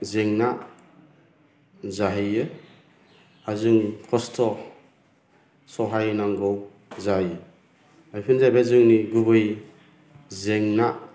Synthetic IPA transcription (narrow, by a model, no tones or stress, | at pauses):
zeŋna | zaɦɯjɯ | azuŋkʰɔstʰɔ | sɔɦajnaŋɡɔw | zajɯ | ajpʰɯnzajbazuŋniɡuβɯj | zeŋna